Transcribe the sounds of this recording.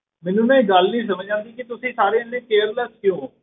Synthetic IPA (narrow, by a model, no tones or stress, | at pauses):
mɛːnũːnɛ̃ːɡəlnĩːs̬əməd͡ʒãːnd̪iːkɪt̪ʊsĩːsaːɾeːliːkeːɾləskɪjõː